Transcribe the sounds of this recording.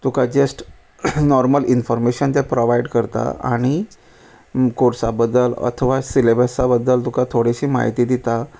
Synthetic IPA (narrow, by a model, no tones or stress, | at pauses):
t̪ukad͡ʑəsʈ | nɔɾməlinfɔɾmeɕənt̪̬ɛpɾoʋaiɖkəɾt̪a̰a̰ɽ̃i | koɾsabəd̪ːələ̰t̪ʰəʋasilebəsabəd̪ːəlt̪ukat̪ʰoɽeɕiːma̰ɦit̪iːd̪it̪a